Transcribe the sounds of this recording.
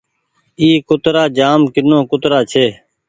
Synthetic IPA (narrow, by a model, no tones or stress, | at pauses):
iːkʊt̪ɾaːd͡ʒaːmkɪnõːkʊt̪ɾaːt͡ʃʰeː